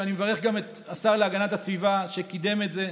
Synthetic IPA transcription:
animevaʁeχɡame̞t̪ | asaʁleaɡanatasvivaʃekid̪e̞me̞tze̞

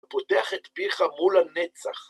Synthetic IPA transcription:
pod̪eaχet̪biχamulanet͡sa̰χ

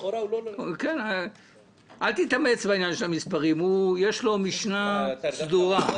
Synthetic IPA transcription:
ken | ʔalt̪it̪amet͡sbainjanʃelamispaʁimujeʃlo̞miʃnasd̪uʁa

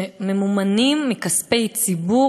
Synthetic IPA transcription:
memumanimːikaspejt͡sibu

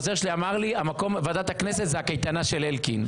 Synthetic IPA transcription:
ozeʁʃeliamaʁliamako̞mvad̪at̪hakne̞s̬et̪zeakejt̪anaʃe̞lelkin

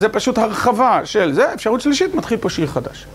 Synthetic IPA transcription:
zepaʃuthaʁχavaʃelzeefʃaʁut̪ʃliʃit̪mat̪χilpoʃiʁχad̪aʃ

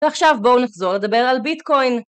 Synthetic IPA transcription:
veaχʃavbo̞unaχzo̞ʁle̞d̪abeʁalbit̪ko̞jn

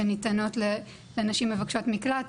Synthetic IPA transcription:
ɐnit̪ɐnot̪lɐ | lɐnɐʃimːəvɐkʃot̪miklat̪

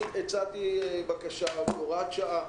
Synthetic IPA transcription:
et͡sat̪iebakaʃaloʁatʃaʔa

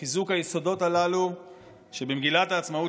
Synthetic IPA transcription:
izukhajeso̞do̞talalu | ʃebemɡilataːt͡smau

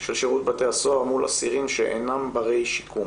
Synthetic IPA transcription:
ʃelʃeʁut̪̚bat̪e̞aso̞aʁmulʔa̰siʁimʃeʔḛnambaʁe̞jʃi̥kʰum

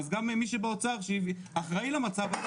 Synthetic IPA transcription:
zɡamemiʃebeot͡saʁʃev | aχʁailemat͡sava

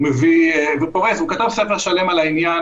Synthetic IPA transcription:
mevivepoʁesukat̪avsefeʁʃalemalainjan

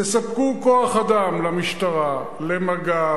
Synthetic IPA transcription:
esapkukoaχad̪amlamiʃt̪aʁa | lemaɡa

